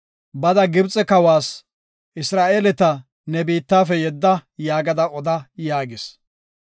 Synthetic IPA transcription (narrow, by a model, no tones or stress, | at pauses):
bɐd̪ɐɡɪbt͡sʼɛkɐwaːs | ʔɪsɾaːʔeːlɛt̪ɐ | nɛbiːt̪ːaːfɛjɛd̪ːɐjaːɡɐd̪ɐɔd̪ɐjaːɡɪs